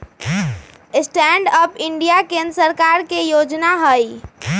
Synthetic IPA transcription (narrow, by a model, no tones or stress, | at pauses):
sʈɛɳɖəpiɳɖijakẽnd̪ɾsəɾkaɾkejod͡ʒnaɦəj